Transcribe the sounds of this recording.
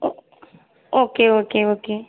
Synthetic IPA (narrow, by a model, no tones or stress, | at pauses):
okeokeoke